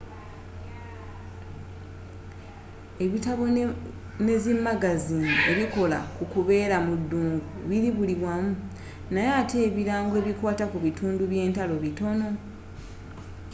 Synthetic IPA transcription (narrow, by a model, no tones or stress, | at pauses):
e̞βitaβo | ne̞zimːaɡaziːne̞̰βiko̞la̰kukuβe̞ːɾamudːuːŋɡuβiɾiβuliβwamu | najaːtʰe̞ːβiɾaːŋɡoe̞ːβikwaːtakuβitʰuːnduβje̞ːntalo̞βito̞no̞